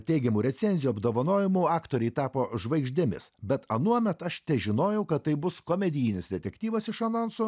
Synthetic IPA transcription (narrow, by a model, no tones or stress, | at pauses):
t̪ʲɛɪɡʲɛmuːɾʲɛt̪sʲɛnʲzʲɪjuɐbd̪oːʋɐnoːjɪmuːɑːkt̪oːɾʲɛɪt̪ɑːpoːʒʋɐɪɡʒʲd̪ʲɪmʲɪ̰sbʲɛt̪ɐnuɔmʲɛt̪ɐʃt̪ʲɛʒʲɪnoːjɛʊkɐt̪t̪ːɐɪbʊskoːmʲɛd̪ʲɪjɪnʲɪsd̪ʲɛt̪ʲɛkʲt̪ʲiːʋɐsɪʃɐnoːnsʊ